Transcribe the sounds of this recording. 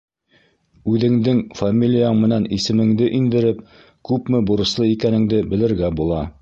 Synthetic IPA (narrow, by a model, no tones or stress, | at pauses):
ʉðɘ̆ŋd̪ɘŋfamʲilʲijaɴmɘ̆nænisɘ̆mɘ̆ŋd̪ɘʔind̪ɘ̆ɾɘp̚ | kʉpmɘbuɾɤ̆slˠɤikænɘ̆ŋd̪ɘbɘ̆lɘ̆ɾɡæbulˠɑ